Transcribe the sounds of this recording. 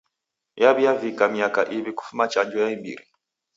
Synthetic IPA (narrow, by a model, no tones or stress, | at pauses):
jaβijavikamijakaʔiβiku̥fumat͡ʃand͡ʒɔjaimbḭɾḭ